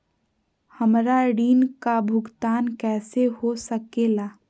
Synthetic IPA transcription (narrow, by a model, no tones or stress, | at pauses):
həmɾaɽiːnkabʱʊɡt̪aːnkɛːsehosəkelaː